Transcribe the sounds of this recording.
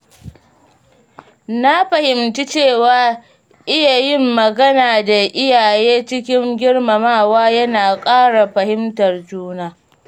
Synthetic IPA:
na˦ɸɐ˨hɪ˨mti˦t͡ʃeː˦˨waː˨ | ʔɪ˦ja˨jɪ˦mːɐ˨ɡɐ˦naː˨da˨ʔɪ˦jaː˨jeː˦t͡ʃɪ˦kʲɪ˦ŋɡʲɪ˦rma˨maː˦˨waː˦jɐ˦naː˨kʼaː˦ɽa˨ɸɐ˨hɪ˦mtɐ˨rd͡ʒuː˦naː˦

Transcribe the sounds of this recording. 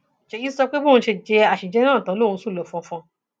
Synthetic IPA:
ʃe˧ji˦sɔ˧k͡pe˦bõ˦˧ʃe˧d͡ʒɛ˧a˨ʃi˨d͡ʒɛ˨˦ɾ̃ãː˦˨tɔ̃˨˦lo˦˨wũ˧˦su˦˨lɔ˨fɔ̃˧fɔ̃˧

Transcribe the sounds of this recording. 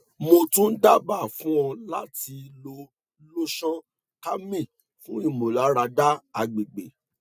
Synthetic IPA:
mo˧tũ˦n̩˦da˦˨ba˦˨fũ˦ɔ̃˧la˦ti˧lo˧ | lo˦ʃɔ̃˦ | ka˦mĩ˦˨ | fũ˦i˦˨mo˨la˨˦ɾa˧da˦a˧ɡ͡be˨ɡ͡be˨

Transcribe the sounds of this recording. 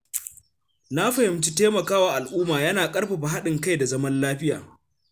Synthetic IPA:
na˦ɸɐ˨hɪ˨mt͡ʃi˦teː˦mɐ˨kaː˦waː˨ʔa˨lʔuː˦maː˨jɐ˦naː˨kʼɐ˦ɽɸa˨ɸa˨ɦa˦ɗɪ˨ŋka˦jda˨zɐ˦mɐ˦nlaː˦ɸɪ˦ja̰ː˨

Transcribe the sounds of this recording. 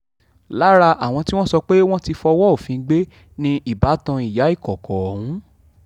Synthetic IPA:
la˨˦ɾa˧ʔa˦˨w̃ɔ̃˧ti˦w̃ɔ̃˦sɔ˧k͡pe˦w̃ɔ̃˦ti˧fɔ˧wɔ˦o˦˨fĩ˨˧ɡ͡be˦ | nĩ˧ʔi˦˨ba˨˦tã˧i˨ja˨˦i˦˨kɔ˨kʰɔ˨hũ˨˦

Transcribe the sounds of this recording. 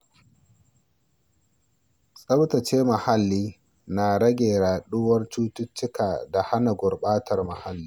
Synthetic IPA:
sʼɐ˦wtɐ˨t͡ʃeː˦ma˨ha˦lːiː˦ | na˨ɽɐ˦ɡʲeː˨ɽaː˨ɗʊ˦wɐ˦rt͡ʃuː˦tʊ˦t͡ʃːɪ˦kaː˨da˨ha˦na˨ɡʷʊ˨rɓaː˦tʰɐ˨rma˨ha˦lːiː˦

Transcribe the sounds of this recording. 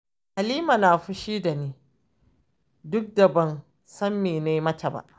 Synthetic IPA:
ʔa˨liː˦ma˨naː˨ɸʊ˦ʃiː˦da˨niː˦ | dʊ˦k̚dɐ˨bɐ˦n | sɐ˦mːeː˨ne˦jmɐ˦tɐ˨ba̰ː˨ʔ

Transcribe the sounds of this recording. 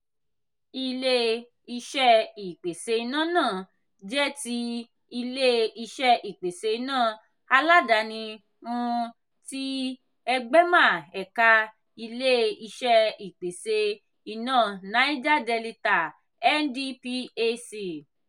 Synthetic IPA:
i˧le˧ | i˧ʃɛ˦i˨k͡pe˨se˧i˧nã˦˨nãː˦˨ | d͡ʒɛ˦ti˧˦ | i˧le˦i˧ʃɛ˧i˨k͡pe˨se˧i˧nãː˦˨ | a˧la˦da˧˨nĩ˧ | ũ˧ | ti˦ | ɛ˧ɡ͡bɛ˦mã˦˨ɛ˨ka˧ | i˧le˦i˧ʃɛ˧i˨k͡pe˨se˧ | i˨nãː˦˨nã˨˦i˦d͡ʒa˦dɛ˧li˧ta˨ | ɛ˦n˦di˦pi˦e˧si˧˨

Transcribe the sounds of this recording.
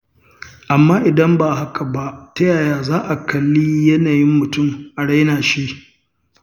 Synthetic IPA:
ʔa˨mːaː˦ʔɪ˨dɐ˦mba˨ha˦kʰa˨ba˦tɐ˦jaː˨jaː˨zaː˦ʔa˨kɐ˨lːiː˦jɐ˦naː˨jɪ˦mːʊ˨tʊ˦˨mʔa˨ɽa˦jnaː˨ʃi˦

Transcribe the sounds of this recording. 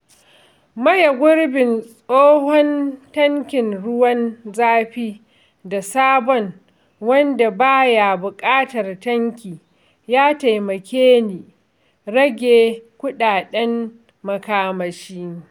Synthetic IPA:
mɐ˦ja˨ɡʷʊ˦rbɪ˨nsʼoː˦hɔ˦ntɐ˦ŋkʲɪ˨nɽʊ˦wɐ˦nzaː˦ɸiː˦ | da˨saː˦bɔ˦ŋ | wɐ˦nda˨baː˦ja˨bʊ˨kʼaː˦tɐ˨rtɐ˦ŋkʲiː˨ | jaː˦ta˨jmɐ˨kʲeː˦niː˨ | ɽɐ˦ɡʲeː˨kʷʊ˦ɗaː˨ɗɛ˦m | mɐ˨kaː˦mɐ˨ʃiː˦

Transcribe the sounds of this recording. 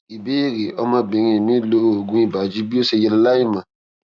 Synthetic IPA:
i˨be˨˦i˦˨ɾe˨ɔ˧˦mã˧˦bẽ˨˧˦ɾ̃ĩ˧˦˨nĩ˦lo˦ɾo˨o˨ɡũ˦i˦˨ba˨d͡ʒi˦bi˦o˦se˧jɛ˧lla˦ĩ˦˨mã˨

